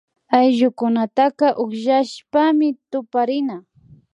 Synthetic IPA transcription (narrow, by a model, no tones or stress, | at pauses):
ajʒʊkʊnat̪aqɑʔoχʒaʃpamɪt̪ʊpaɾɪna